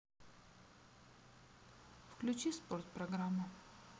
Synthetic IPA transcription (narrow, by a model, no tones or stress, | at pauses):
fklʲʉt͡ɕisport̪̚pɾɐɡɾamːʊ